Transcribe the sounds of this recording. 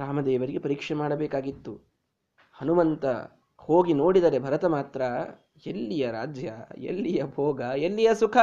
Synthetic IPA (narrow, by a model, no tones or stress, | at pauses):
ɾaːmɐd̪ɛːʋɐɾiɡepɐɾiːkʂɐmaːɽɐbɛːkaːɡit̪ːu | hɐnumɐnt̪ɐ̰ | hoːɡinoːɽid̪ɐːɾe̞bʱɐɾɐt̪ɐmaːt̪ɾɐ | elːijɐɾaːd͡ʒjɐ̰ḛlːijɐbʱoːɡɐelːijɐsukʰɐ